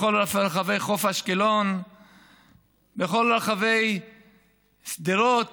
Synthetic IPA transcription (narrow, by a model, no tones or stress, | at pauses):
olafɾχave̞jχofhaʃkilon | beχo̞lɾaχave̞j | sd̪iɾot̪